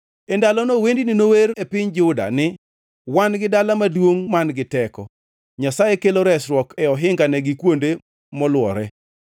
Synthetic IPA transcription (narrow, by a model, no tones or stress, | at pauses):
ɛndalɔnowendininoweɾepɪɲd͡ʒʊda̰nɪ | wanɡɪdalamadwoŋmanɡɪtɛkɔ̰ | ɲasajekeloɾɛsɾwɔkɛɔɦɪŋɡanɛɡɪkwonde | mɔlwɔɾɛ